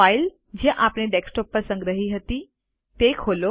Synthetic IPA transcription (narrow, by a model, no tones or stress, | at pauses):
ail | d͡ʑĩʔapɽeɖeksʈɔpːəɾsə̃ŋɡɾəɦiɦət̪i | t̪ekʰoːlo